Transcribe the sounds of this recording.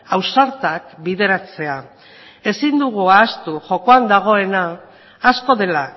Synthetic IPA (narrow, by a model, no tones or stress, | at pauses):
awsaɾt̪akbiðe̞ɾat͡se̞a | e̞sind̪uɣ̞uaːst̪uʝo̞ko̞and̪aɣ̞o̞e̞naː | sko̞ðe̞la